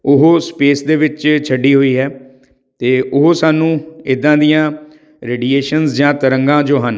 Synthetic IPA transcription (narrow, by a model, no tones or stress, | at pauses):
ʊɦoːspeːsd̪eːʋɪt͡ʃt͡ʃʰəɖːiːɦoːiːɦɛː | t̪eːʔʊɦoːsaːnũːɪd̪ːãːd̪ijãː | ɾeːɖieːʃənsd͡ʒãːt̪əɾəŋɡãːd͡ʒoːɦən